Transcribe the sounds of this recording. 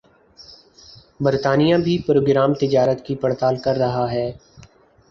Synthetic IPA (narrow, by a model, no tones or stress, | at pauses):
bɐɾt̪aːnijãbʱipɾoːɡɾaːmt̪ɪd͡ʒaːɾət̪kipɐɽt̪aːlkɐɾːɐɦaɦɛː